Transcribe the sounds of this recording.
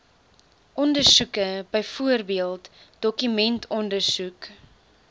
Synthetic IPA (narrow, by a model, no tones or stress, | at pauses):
ʔɔndərsukəbəjfuərbiəlˠtd̥ɔkymɛntʰɔndərsuk